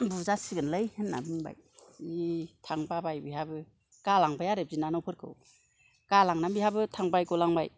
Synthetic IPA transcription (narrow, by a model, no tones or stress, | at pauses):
buzasiɡɯnlɯjhɯnːa̰bɯŋba̰jitʰaŋbabajbiɦabɯ | kalaŋbajaɾep̚zinanɔpʰɯɾkʰɯ̰w | kalaŋnabiɦabɯtʰaŋbajkɔlaŋbaj